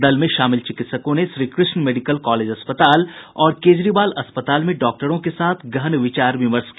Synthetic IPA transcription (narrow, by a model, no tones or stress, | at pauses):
d̪ɐlmẽʃaːmɪlt͡ʃɪkɪt̪səkõnesɾiːkɾɪsnmeːɖɪkəlkɔːleːd͡ʒɐspət̪aːlɔːɾkeːd͡ʒɾiːbaːlɐspət̪aːlmẽɖɔːk̚ʈəɾõkesaːt̪ʰɡɐɦnʋɪt͡ʃaːɾʋɪməɾsk